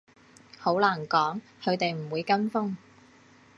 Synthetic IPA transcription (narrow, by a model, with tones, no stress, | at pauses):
ho˨˥wlaː˨˩nkɔː˨˥ŋ | kʰɵ˨˧ɥt̪e˨jm̩˨˩wuː˨˧jkɐ˥nfʊ˥ŋ